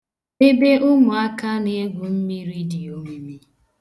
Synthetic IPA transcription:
e˦be˦ʔʊ˦mʊ˨a˦ka˦ne˨e˦ɡʷʊ˨m̩˦mi˦ɾi˦di˨o˨me˦mi˦

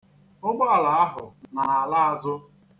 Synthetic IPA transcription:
ʊ˦ɡ͡ba˦˨la˨a˦ɦʊ˨na˨a˨la˦a˨zʊ˦

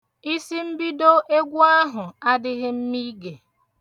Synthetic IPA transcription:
i˦si˦m̩˦bi˦do˦ʔe˦ɡʷu˦a˦ɦʊ˨a˦dɪ˦ɣɪ˦m̩˦mi˦ɡe˨

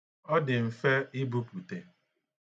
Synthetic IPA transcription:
ɔ˦dɪ˨m̩˨fe˦ɪ˦bu˦pu˨te˨

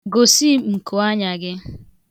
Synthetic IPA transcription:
ɡo˨si˦m̩˨kʊ˨a˦ɲa˨ɡɪ˦

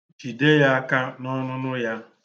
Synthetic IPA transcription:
d͡ʒi˨de˦ja˦a˦ka˦nɔ˦nʊ˦nʊ˦ja˦

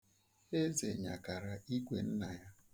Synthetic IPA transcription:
e˦zḛ˨ɲa̰˨ka˨ɾa˨i˦kʷe˨n̩˦na˨ja˦

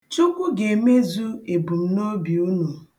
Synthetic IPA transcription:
t͡ʃu˦kʷu˦ɡe˨me˦zu˦e˨bu˨m̩˦no˦bi˨u˦nu˨

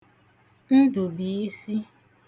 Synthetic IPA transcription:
n̩˦du˨bi˨i˦si˦

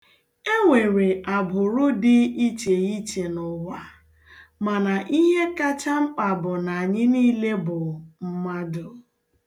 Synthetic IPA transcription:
e˦ŋʷe˨ɾe˨ʔa˨bʊ˨ɾʊ˦dɪ˦i˦t͡ʃe˨i˦t͡ʃe˨nʊ˨wa˦ | ma˨na˨ʔi˦ɦe˦ka˦t͡ʃa˦ŋ͡m̩˦k͡pa˨bʊ˨na˨a˨ɲɪ˦niː˦le˦bʊ˨m̩˦ma˦dʊ˨

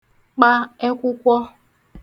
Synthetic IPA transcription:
k͡pa˦e˦kʷʊ˦kʷɔ˦

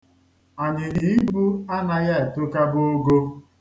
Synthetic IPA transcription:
a˨ɲɪ˨ɾi˨i˦ɡ͡bu˦a˦na˦ja˦e˨tʊ˦ka˦bo˦ɡo˦

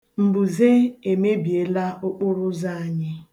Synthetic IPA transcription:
m̩˨bu˨ze˦e˨me˦bi˨e˨la˦ʔʊ˦k͡pʊ˦ɾʊ˦za˦a˨ɲɪ˦

